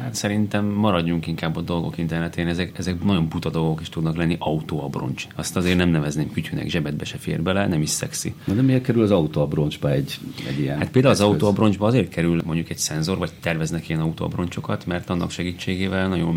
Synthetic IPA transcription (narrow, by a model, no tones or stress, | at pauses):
hat̪sɛɾint̪ɛmːɒɾɒɟːuŋkiŋkaːbːɒd̪o̞lɡo̞̰kint̪ɛrnɛt̪eːnɛzɛkɛzɛknɒɟo̞mput̪ɒd̪o̞lɡo̞kiʃt̪ud̪nɒklɛnːiʔɒut̪oːɒbro̞̰nt͡ʃɒst̪ɒzeːrnɛmnɛvɛzneːmkycynɛ̰ɡʒɛbɛd̪̚bɛʃɛfḛːrbɛlɛnɛmiʃsɛ̰ksḭnɒd̪ɛmikɛɾylɒzɒut̪oɒbɾond͡ʒbɒɛɟɛ̰ɟijɛnat̪peld̪aːulɒzɒuoːɒbro̞nd͡ʒbɒɒzeːrt̪̚kʰɛɾylmo̞ɲɟukɛcsɛnzorvɒɟ̚t̪ɛrvɛznɛkijɛnɒut̪o̰ːɒ̰bro̞nt͡ʃo̞kɒt̪mɛrt̪ɒnːɒkʃɛɡiːt͡ʃːeːɡeːvɛlnɒɟo̞m